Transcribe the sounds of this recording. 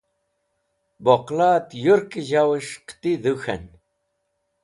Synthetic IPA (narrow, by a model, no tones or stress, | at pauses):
boqlaːt̪juɾkiʑawɨʃqt̪iðuxɐ̰n